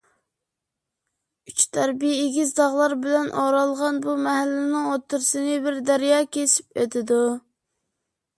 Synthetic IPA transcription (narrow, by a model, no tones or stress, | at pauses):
yt͡ʃt̪ʰæɾbijːɡʲizd̪ɑʁlˠɑɾbɪlɛnʔoɾɑlˠʁɑnbumɛɦælːɪnɪŋot̪ːɨɾsɨnɨbɪɾd̪æɾjɑːkʲʰesɪ̥pøt̪ʰɪd̪u